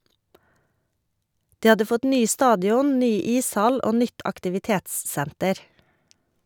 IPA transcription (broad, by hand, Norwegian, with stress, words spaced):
ˈdiː ˈhɑdə ˈfɔt ˈnyː ˈstɑːdɪɔn ˈnyː ˈiːsˌhɑl ˈoː ˈnʏt ɑktɪʋɪˈteːtsˌsæntəɾ